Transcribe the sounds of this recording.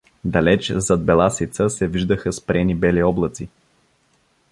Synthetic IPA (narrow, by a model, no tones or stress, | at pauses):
d̪ɐlɛt͡ʃzɐd̪̚bɛlˠasit̪səsɛviʒd̪əxəspɾɛnibɛliɔblˠət̪si